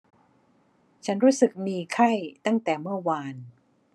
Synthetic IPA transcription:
t͡ɕʰa˦˥nɾuː˦˥sɯ˨˩k̚miː˧kʰa˥˩jt̪a˥˩ŋt̪ɛː˨˩mɯ˥˩ɐwaː˧n

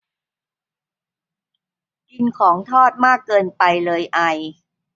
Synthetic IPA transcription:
ki˧nkʰɔː˩˦ŋt̪ʰɔː˥˩t̪̚maː˥˩kːɤː˧npa˧jlɤː˧jʔa˧j

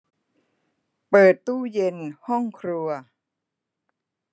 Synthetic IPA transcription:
pɤː˨˩t̪ːuː˥˩je˧nhɔ˥˩ŋkʰɾu˧ɐ

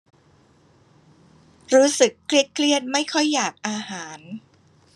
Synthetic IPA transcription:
ɾuː˦˥sɯ˨˩kʰli˦˥˩ət̪̚kʰli˥˩ət̪̚ma˥˩jkʰɔ˥˩jːaː˨˩k̚ʔaː˧haː˩˦n

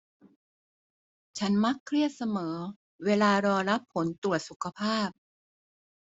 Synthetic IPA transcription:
t͡ɕʰa˦˥nma˦˥kʰːɾi˥˩ət̪̚sa˧mɤː˩˦ | weː˧laː˧ɾɔː˧ɾa˦˥pʰːo˩˦nt̪u˨˩ət̪̚su˨˩kʰa˧pʰaː˥˩p̚

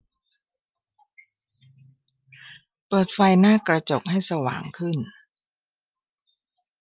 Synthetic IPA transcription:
pɤː˨˩t̪̚fa˧jnaː˥˩kɾa˧t͡ɕo˨˩k̚ha˥˩jsa˧wa̰ː˨˩˦ŋkʰɯ˥˩n

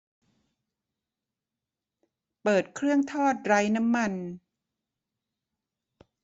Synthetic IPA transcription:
pɤː˨˩t̪̚kʰɾɯ˥˩əŋt̪ʰɔː˥˩t̪̚ɾaː˧˥jna˦˥mːa˧˩n

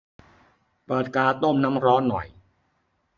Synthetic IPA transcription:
pɤː˨˩t̪̚kaː˧t̪o˥˩mna˦˥mɾɔː˦˥nːɔ̰˨˩j

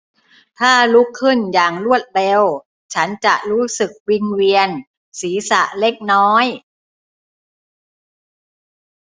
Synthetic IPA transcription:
t̪ʰaː˥˩lu˦˥kʰːɯ˥˩njaː˨˩ŋlu˥˩ət̪̚le˧w | t͡ɕʰa˦˥nt͡ɕa˨˩ʔɾuː˦˥sɯ˨˩k̚wi˧nwi˧ən | siː˩˦sa˨˩ʔle˦˥k̚nɔː˦˥j

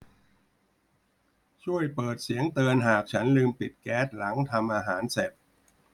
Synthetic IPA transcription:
t͡ɕʰu˥˩əjpɤː˨˩t̪̚si˨˩˦əŋt̪ɤː˧nɦaː˨˩k̚t͡ɕʰa˦˥nlɯː˧mpi˨˩t̪̚kɛː˦˥t̪̚la˩˦ŋt̪ʰa˧mʔaː˧ɦaː˩˦˥nse˨˩p̚

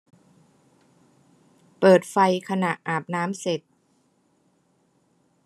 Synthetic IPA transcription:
pɤː˨˩t̪̚fa˧jkʰa˧na˨˩ʔʔaː˨˩p̚naː˦˥mse˨˩t̪̚

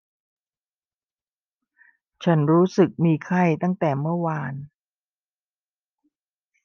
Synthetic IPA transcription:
t͡ɕʰa˦˥nɾuː˦˥sɯ˨˩k̚miː˧kʰa˥˩jt̪a˥˩ŋt̪ɛː˨˩mɯ˥˩ɐwaː˧n

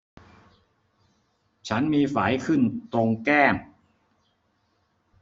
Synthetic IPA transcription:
t͡ɕʰa˦˥nmiː˧faː˩˦jkʰɯ˥˩nt̪ɾo˧ŋkɛː˥˩m

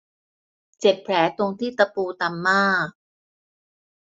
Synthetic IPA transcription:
t͡ɕe˨˩p̚pʰlɛː˩˦t̪o˧ŋt̪ʰiː˥˩t̪a˧puː˧t̪a˧mːaː˥˩k̚

